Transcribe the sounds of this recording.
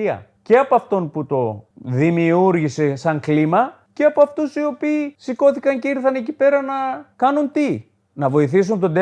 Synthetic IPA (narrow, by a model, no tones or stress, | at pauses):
iɐ̰ | ce̞ɐpoɐft̪o̞nput̪o̞ðimiuɾʝise̞sɐŋklimɐ | ceɐpoɐft̪usio̞piːsiko̞θikɐɲce̞iɾθɐne̞cipe̞ɾɐnɐkɐnunt̪i | nɐvo̞iθisunt̪od̪e